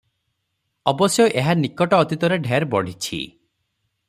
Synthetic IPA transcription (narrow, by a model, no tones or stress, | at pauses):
ɔbɔsjɔʔeɦanikɔʈɔːt̪it̪ɔɾeɖʱeɾbɔɽ̤it͡ʃʰḭ